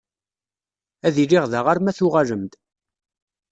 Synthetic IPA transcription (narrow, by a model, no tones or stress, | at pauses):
æðiliʁðəʁaɾmæθʊʁaʒəmd̪